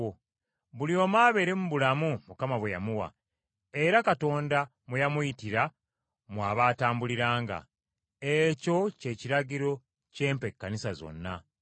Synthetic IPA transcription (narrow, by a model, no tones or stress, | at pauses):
βulio̞maːβe̞ɾe̞muβulamumukamaβweja̰muwa̰ | e̞ɾakato̞ːnda | mujamujitiɾa | mwaːβaːtaːmbuliɾaːŋɡa̰ | eco̞ce̞ːciɾaɟiɾo̞ | ce̞ːmpe̞kːanisazo̞̰nːa